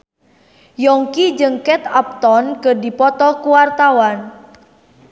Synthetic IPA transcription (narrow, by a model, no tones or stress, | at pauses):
jɔŋkid͡ʒəŋkɛt̪ap̚t̪ɔnkɨrdipɔt̪ɔkuwart̪awan